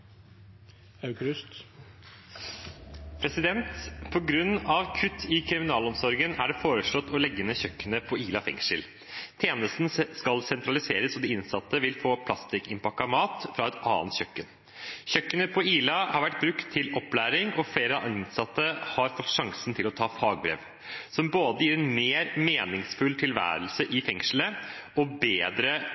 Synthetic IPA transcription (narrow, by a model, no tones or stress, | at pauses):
ɑʉkɾʉst̪ | pʰɾɛsɪd̪ɛnt̪pʰɔɡɾʉnːɑʋkʰʉt̪ʰːɪkʰɾɪmɪnɑːlɔmsɔɾɡənæɖɛfoːɾəʂɭɔt̪ːɔlɛɡːənəçœkːənəpʰɔiːlɑfɛ̰ŋʂəl | t̪ʰeːnəst̪n̩skɑlsɛnt̪ɾɑlɪseːɾəsɔd̪ɪɪnsɑt̪ːəʋɪlfoːpʰlɑst̪ɪkɪmpɑkːɑmɑːt̪fɾɑɛt̪ɑ̰ːnt̪çœkːən | çœkːənəpʰɔiːlɑhɑɾʋæʈ̚ːbɾʉkt̪ʰːɪlɔplæːɾɪŋɔfɽeːɾəɑʔɑnsɑt̪ːəhɑɾfɔt̪ːʂɑŋsn̩t̪ʰɪlɔt̪ʰɑːfɑːɡ̚bɾḛːʋ | sɔmboːd̪əjiːɾɛnmeːɾmeːnɪŋsfʉlt̪ʰɪlʋæ̰ːɾəlsəʔɪfɛŋʂləʔɔbeːd̪ɾə